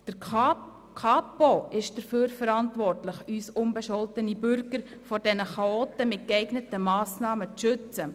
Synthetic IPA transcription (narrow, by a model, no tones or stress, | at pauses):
d̥əɾ | kʰɑːpoɪʃd̥əɾføːɾfəɾɑntvɔrtlɪçyːsʊnbəʃɔltənibʏɾɡəɾ | fɔɾdɛnəχɑoːt̪əmɪt̚kɛɪɡnətəmɑːsnɑːmət͡sʃʏt͡sə